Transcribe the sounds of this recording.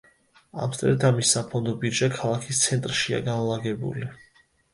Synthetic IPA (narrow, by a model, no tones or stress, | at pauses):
a̰msʼɾɛ̰d̪amisːapʰɔnd̪ɔbiɾd͡ʒakʰalˠakʰist̪sʰɛnt̪ʼɾʃia̰ɡanlˠaɡɛbṵli